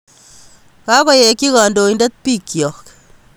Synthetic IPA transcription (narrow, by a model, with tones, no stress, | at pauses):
ka˦kɔ˨˦je˨ki˦ka˨ndo˨i˦nde˦t̪̚pi˦˨kːjɔ˨k